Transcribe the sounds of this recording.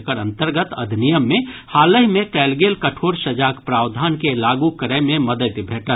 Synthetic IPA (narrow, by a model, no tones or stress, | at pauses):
kəɾə̃nt̪əɾɡət̪ɐd̪ʱnijəmːẽhaːləɦmẽkɛːlɡeːlkɐʈʰoːɾʃəd͡ʒaːkpɾaːwd̪ʱaːnkelaːɡukəɾəmẽmɐd̪ət̪bʱeːʈə